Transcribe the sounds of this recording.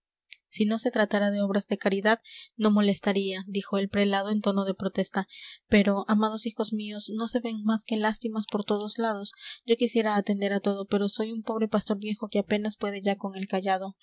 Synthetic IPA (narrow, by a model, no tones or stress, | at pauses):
sino̞se̞t̪ɾat̪aɾað̞e̞o̞β̞ɾazðe̞kaɾiðaðno̞mo̞le̞st̪aɾiad̪ixo̞elpɾe̞lað̞o̞e̞nt̪o̞no̞ð̞e̞pɾo̞t̪e̞st̪ape̞ɾo̞ʔamað̞o̞sixo̞zmio̞sno̞se̞βe̞ŋmaske̞last̪imaspo̞ɾt̪o̞ðo̞zlað̞o̞sɟ͡ʝo̞kisje̞ɾaːt̪end̪e̞ɾat̪o̞ð̞o̞pe̞ɾo̞so̞jumpo̞βɾe̞past̪o̞ɾβje̞xo̞ke̞ape̞naspwe̞ð̞e̞ʝako̞ŋe̞lkaʝað̞o̞